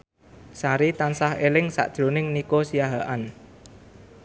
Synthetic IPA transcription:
saɾit̪ansahelɪŋsa̰ʔd̥ʒ̥ɾonɪŋnikosijaɦaʔan

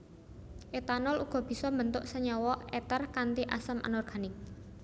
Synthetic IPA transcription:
ʔet̪anɔluɡ̥ɔ̤b̥i̤sɔmbənt̪ʊʔsəɲɔwɔɛt̪ərkant̪iʔa̰səmʔa̰nɔrɡ̥a̤nɪk̚

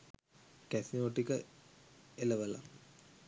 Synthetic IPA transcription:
kɛsinooʈːikə | eləʋəla̰

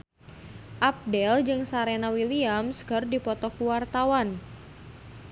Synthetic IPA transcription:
ʔap̚dɛld͡ʒɨŋsaɾenawiliamsɡərdipɔt̪ɔkuwart̪awan

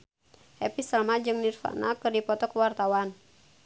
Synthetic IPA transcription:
hɛpisəlmad͡ʒɨŋnirfa̰ʔnakɨrdipɔt̪ɔkəwart̪awan

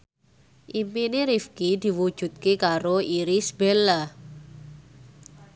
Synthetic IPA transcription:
ʔimpineɾifkid̪̥i̤wud̥ʒ̥ṳt̪̚kekaɾoiɾisbelːa

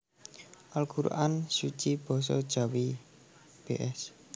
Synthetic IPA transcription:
ʔalɡ̥uɾṵʔansut͡ʃib̥ɔ̤s̬ɔ̰d̥ʒ̥a̤wi | b̥eʔɛs

